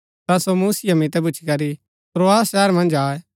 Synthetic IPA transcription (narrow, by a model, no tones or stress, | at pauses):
t̪asomuːsɪjamit̪ɛbʊːt͡ʃʰi̥kɐɾi | pɾoaːsʃɛːəɾmɐ̃nd͡ʒaːɛ